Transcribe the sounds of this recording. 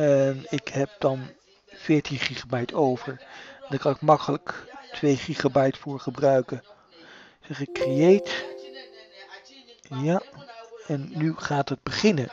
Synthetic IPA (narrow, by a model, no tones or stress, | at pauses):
ɛnɪkɦɛp̚dɑn | fɪːɹtinχiχabɛjtʰowvəɹndaːɹkɑnɪkmɑkələktʰʋejχiχabɛjtfʊːɹχəbrœɥkə | sɛχɪkrejejt | ja | ɛnːyχaːtɦəd̚bəχɪnə